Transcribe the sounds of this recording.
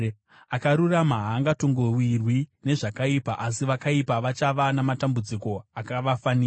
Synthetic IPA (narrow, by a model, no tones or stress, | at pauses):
akaɾuramaɦaːŋɡatoŋɡowirwine̞ʐakaipaʔasiʋakaipaʋat͡ʃaʋanamatambud͡ziko̞akaʋafaniː